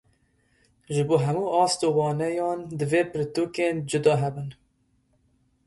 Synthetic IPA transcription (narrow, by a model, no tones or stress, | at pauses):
ʒɨboːɦɛmuːʔɑːst̪oːwɑːnɛjɑːnd̪ɨveːpɨɾt̪uːkeːnd͡ʒɨd̪ɑːɦɛbɨn